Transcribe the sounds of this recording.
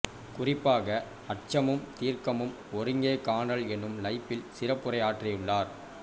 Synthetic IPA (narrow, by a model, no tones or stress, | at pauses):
kʊrɪpːaːɣɐ | ɐʈ̚t͡ʃɐmɯmt̪iːɾkɐmɯm | ɔɾɯŋɡeːkaːnɐlɛnːɯmlɐɪpːɪlsɪrɐpːɯrɐjaːʈrɪjɯɭːaːɾ